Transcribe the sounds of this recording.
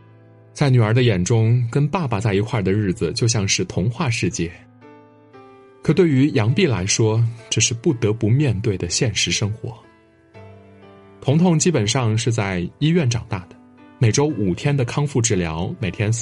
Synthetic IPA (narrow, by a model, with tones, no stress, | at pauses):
t͡sa˥˩ɪny˨˩ə˞˧˥d̪ə˧jɛ˨˩nʈ͡ʂʊ˥ŋkə˥npa˥˩pa˨˩t͡sa˥˩ɪi˧˥kʰwa˥˩d̪ə˩ɻɻ̩˥˩d͡z̩˩t͡ɕjo˥˧ʊɕjɑ˥˧ŋʂɻ̩˥˩t̪ʰʊ˧˥ŋxwa˥˧ʂɻ̩˥˧t͡ɕjɛ˥˩ | kʰɤ˨˩t̪we˥˩ɪy˧˥jɑ˧˥ŋpi˥˩la˧˥ɪʂwɔ˥ʈ͡ʂɤ˥˧ʂɻ̩˥˧pu˥˩t̪ɤ˧˥pu˧˥mjɛ˥˧nt̪we˥˩ɪd̪ə˩ɕjɛ˥˩nʂɻ̩˧˥ʂɤ˥ŋxwɔ̰˧˥ | t̪ʰʊ˧˥ŋt̪ʰʊ˧˥ŋt͡ɕi˥pə˨˩nʂɑ˥˧ŋʂɻ̩˥˧t͡sa˥˧ɪi˥ɥɛ˥˩nʈ͡ʂɑ˨˩ŋt̪a˥˩d̪ə̥˩ | me˨˩ɪʈ͡ʂo˥ʊʔu˨˩t̪ʰjɛ˥nd̪ə˨kʰɑ˥ŋfu˥˧ʈ͡ʂɻ̩˥˩ljɑ̰˧˥ʊme˨˩ɪt̪ʰjɛ˥n